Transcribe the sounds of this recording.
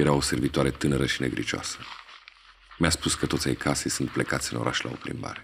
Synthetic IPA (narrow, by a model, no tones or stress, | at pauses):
jeɾao̞se̞rvit̪oaɾe̞t̪ɨnəɾəʃine̞ɡɾḭt͡ʃoa̰sə | mʲaspuskət̪ot̪sʲajkʰasejsunt̪̚plekat̪sʲɨno̞̰ɾʔaʃla̰o̞̰pɾḭmba̰ɾe